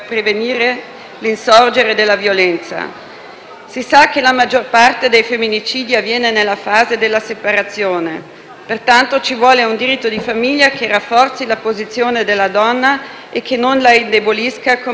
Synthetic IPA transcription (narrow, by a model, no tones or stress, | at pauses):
pɾeveniːɾe | linsɔrd͡ʒeɾed̪elːavjolɛnt̪sa̰ | sisak̟ːelamad͡ʒːorpart̪ed̪ejfemːinit͡ʃiːd̪iavjɛːnenelːafaːzed̪elːasepaɾat̪sːjoːne | pert̪ant̪ot͡ʃivwɔːleund̪iɾit̪ːod̪ifamiʎːakerafːɔrt̪silapozit̪sːjoːned̪elːad̪ɔnːa | ekʰːenːonlaind̪eboliskako